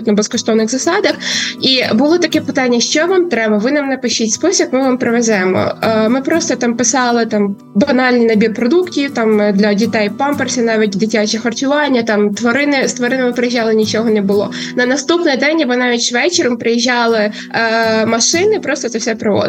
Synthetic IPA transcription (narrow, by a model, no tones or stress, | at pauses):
t̪nɐbɛskɔʃt̪ɔʋnɪɣzɐsɑd̪ɐxibʊlˠɪt̪ɐkɛpɪt̪ɑnʲːɐʃt͡ʃɔʋɑmt̪ɾɛbɐʋɪnɐmnɐpɪʃt͡ʃitʲspɔsʲɐkmɪʋampɾɪʋɛzɛmɔ̰mɪpɾɔst̪ɔt̪ɑmpɪsɑlˠɪt̪ɑm | bɐnɑlʲnʲinɐbʲirpɾɔd̪uktʲiwt̪ɑmd̪lʲɐdʲit̪ɛjpɑmpersʲinɑʋʲitʲd̪ɪtʲat͡ʃʲɛxɐrt͡ʃʊʋɑnʲːɐt̪ɑmt̪ʋɔɾɪnɪst̪ʋɔɾɪnɐmɪpɾɪjiʒʲːɑlˠɪnʲit͡ʃɔɦɔnebʊlˠɔ̰ | nɐnɐst̪upnɪjd̪ɛnʲjɐbɔnɑʋʲitʲʃʋɛt͡ʃɪɾɐmpɾɪjiʒːɑlˠɪ | mɐʃɪnɪpɾɔst̪ɔt̪ɛfsʲɛpɾɪʋɔ̰d̪